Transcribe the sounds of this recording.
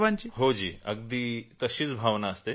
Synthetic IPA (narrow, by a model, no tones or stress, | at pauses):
ʋant͡ɕiɦod͡ʑiːɐɡ̚d̪it̪əɕiːt͡sbʱaʋnaəst̪e